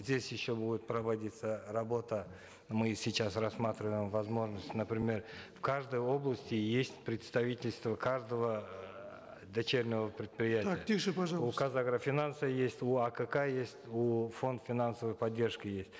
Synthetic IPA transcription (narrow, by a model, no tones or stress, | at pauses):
zʲdʲesʲjɪɕːo̞budʲɪt̪̚pɾəvɐdʲit̪sərɐbo̞t̪ə | mɨsʲɪt͡ɕasrɐsmat̪ɾʲɪvəjɪmvɐzmo̞ʐnəsʲtʲnəpɾʲɪmʲe̞rfkaʐd̪əjo̞blˠəsʲtʲɪjesʲtʲpɾʲɪt̪st̪ɐvʲitʲɪlʲst̪vəkʰaʐd̪əvə | d̪ɐt͡ɕe̞ɾʲnəvəpɾʲɪt̪pɾʲɪjæt̪ɪapʲiʃɨpɐʒɑukazaɡɾəfʲɪnansəjesʲtʲuakəkajesʲtʲufo̞nt̪fʲɪnansəvəjpɐdʲːe̞rʂkɪjesʲtʲ